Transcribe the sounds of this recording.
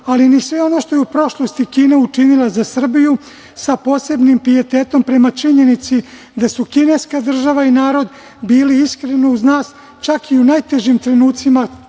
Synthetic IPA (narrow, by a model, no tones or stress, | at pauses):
alinisʋe̞o̞no̞ʃt̪o̞jeupɾo̞ʃlo̞st̪ikiːneut͡ʃinilˠazasr̩biju | sapo̞ːse̞bnimpɾie̞t̪e̞ːt̪o̞mpɾe̞mat͡ʃiɲe̞nit̪si | d̪asukinejskad̪r̩ʒaʋainaːɾo̞d̪ | biːliiskɾe̞nouznaːs | t͡ʃakiunajt̪e̞ʒimt̪ɾe̞nuːt̪sima